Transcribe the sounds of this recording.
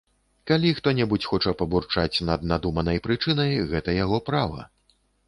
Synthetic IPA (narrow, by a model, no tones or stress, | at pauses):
kalʲixt̪ɔnʲɛbut͡sʲxɔt͡ʂɐpɐburt͡ʂat͡sʲnɐd̪̚nad̪umɐnɐjpɾɨt͡ʂɨnɐjɣɛt̪ɐjaɣɔpɾavɐ̰